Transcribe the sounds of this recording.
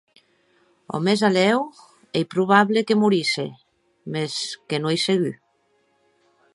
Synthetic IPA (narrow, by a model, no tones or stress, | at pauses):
o̰mezalɛw | ejpɾuβ̞aβlekemuɾise | meskenuejseɣy